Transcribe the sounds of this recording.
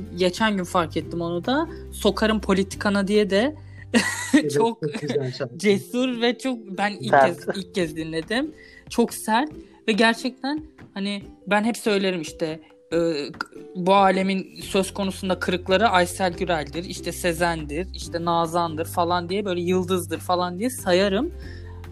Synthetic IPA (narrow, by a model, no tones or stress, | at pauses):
ɟe̞t͡ʃʰænɟynfaɾkʰɛt̪ʰːimo̞nud̪a | so̞kʰaɾɯmpʰo̞lʲit̪ʰi̥kʰanad̪ijɛd̪ɛ | t͡ʃʰok̚ | d͡ʒesuɾvɛt͡ʃʰok̚bænilɛzilʲcʰːɛzd̪inlʲe̞d̪imt͡ʃʰo̞ksæɾt̪̚ | vɛɟæɾt͡ʃʰɛc̚t̪ʰænhanibænɦɛpsø̞jlʲe̞ɾimiʃt̪ʰɛ | ɯːbuaːlʲe̞minsø̞zkʰo̞nusund̪akʰɯɾɯklˠaɾɯʔajsælʲɟyɾælʲd̪iɾiʃt̪ʰɛse̞zænd̪iɾiʃt̪ʰɛnaːzand̪ɯɾfalˠand̪ijɛbø̞jlʲɛjɯlˠd̪ɯzd̪ɯɾfalˠand̪ijɛsajaɾɯm